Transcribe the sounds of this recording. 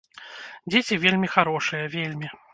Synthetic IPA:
d͡zʲet͡sʲivʲelʲmʲixaɾɔʂɨjɐvʲelʲmʲi

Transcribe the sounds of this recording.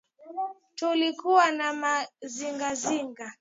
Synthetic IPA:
tulikuwanamaziŋɡaziŋɡa

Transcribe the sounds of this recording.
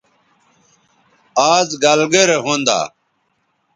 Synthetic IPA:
aːzɡalɡeɾɦõːnd̪a̰ː

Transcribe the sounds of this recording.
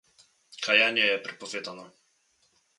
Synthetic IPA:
kʰajaɲɛjɛpɾɛpɔfʲɛt̪anɔ

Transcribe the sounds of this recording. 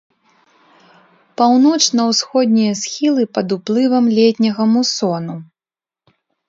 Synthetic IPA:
pawnɔt͡ʂnɐwsxɔd̪ʲnʲijɐsxʲilˠɨpɐd̪uplˠɨvɐmlʲɛt̪ʲnʲɐɣɐmusɔnu

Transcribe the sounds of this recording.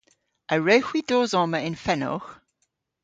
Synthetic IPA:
ʔəɹəʊxwid̥ɔːzɑːməɪ̃nfɛnɔ̰x

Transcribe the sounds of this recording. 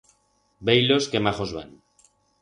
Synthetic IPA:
bejloskemaχozβa̰n

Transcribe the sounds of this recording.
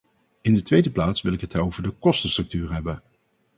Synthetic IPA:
ɪndətʋejdəplaːtsʋɪlˠɪkɦətowvəɹdəkɔstənstrɵk̚tyːɹɦɛbən

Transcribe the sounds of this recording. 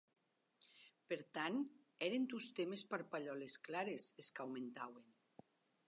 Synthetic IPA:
peɾt̪an | ɛɾend̪ust̪emespaɾpaʎɔlesklaɾeseskawment̪awen

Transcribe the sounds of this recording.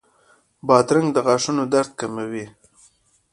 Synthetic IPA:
bɑt̪ɾaŋɡd̪əɣaʂunod̪aɾd̪̚kamawi

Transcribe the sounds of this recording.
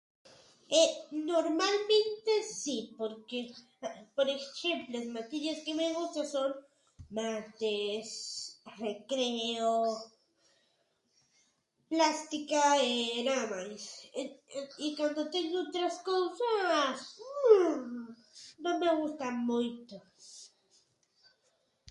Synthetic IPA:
enoɾmalmẽnt̪esipoɾke | poɾexemploesmat̪iʎeskemeɣust̪aso̞n | mat̪esrekɾeo | plast̪ikaenaðamajs | ikwand̪ot̪eŋɡoot̪ɾaskosas | nome̞ɣust̪amujt̪o

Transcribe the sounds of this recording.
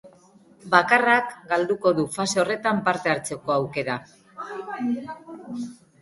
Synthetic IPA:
bakarakɡald̪uko̞ðufaseo̞re̞t̪ampaɾt̪e̞aɾt͡se̞ko̞awke̞ɾa

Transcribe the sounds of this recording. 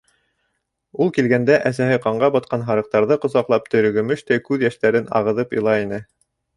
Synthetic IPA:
ulˠkilɡænd̪æʔæs̬æhɘqɑɴɢɑbɑt̪̚qɑnɦɑɾɤ̆q̚t̪ɑɾðɤqŏzɑqlˠɑp̚t̪ɵ̆ɾɵ̆ɡɵ̆mɵʃt̪æjkʉðjæʃt̪æɾɘnɑ̰ʁɤ̆ðɤpŏ̰lˠɑinɘ

